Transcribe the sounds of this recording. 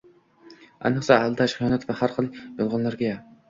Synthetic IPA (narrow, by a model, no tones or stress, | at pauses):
æ̰jnɨχsɑhælˠɨd̪ɛʃχijɑːnɛt̪vɛhæɾχəlˠjolˠʁɑnlˠɑɾɡʲɛjɛ